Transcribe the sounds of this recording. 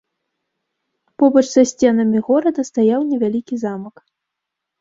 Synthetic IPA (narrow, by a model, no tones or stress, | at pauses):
pɔbɐt͡ʂzasʲt͡sʲɛnɐmʲiɣɔɾɐd̪ɐst̪ajawnʲɛvʲalʲikʲizamɐk